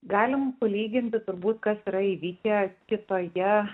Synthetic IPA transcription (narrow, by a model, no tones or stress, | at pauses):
ɡɑːlʲɪmpɐlʲiːɡʲɪnʲt̪ʲɪt̪ʊɾbuːt̪kɐsiːɾɐiːʋʲiːkʲɛkʲɪt̪oːjɛ